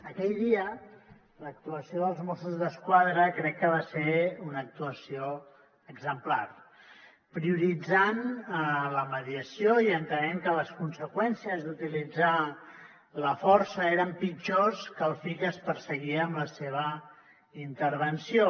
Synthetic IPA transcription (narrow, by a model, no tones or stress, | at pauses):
əkɛʎðiə | lək̚t̪uəsioðəlˠzmosuzðəskwaðɾəkɾɛkːəβ̞aseunək̚t̪uəsio | əɡzəmplar | pɾiuɾid͡zan | ləməðiəsioiənt̪ənɛŋkələskunsəkwɛnsiəzðut̪ilid͡za | ləfɔɾsəeɾəmpid͡ʒoskəlˠfikəspəɾsəɣiəːmləseβ̞ə | int̪əɾβ̞ənsijo